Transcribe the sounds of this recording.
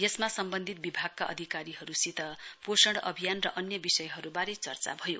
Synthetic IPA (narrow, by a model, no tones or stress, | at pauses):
jesmasʌmbʌnd̪ʱit̪̚bibʱaɡ̚kaʔʌ̰d̪ʱikaɾiɦʌɾusit̪ʌposʌɽʌ̰bʱijanrʌʔʌnjʌbisʌjɦʌɾubaɾet͡sʌrt͡sa̰bʱʌjo̰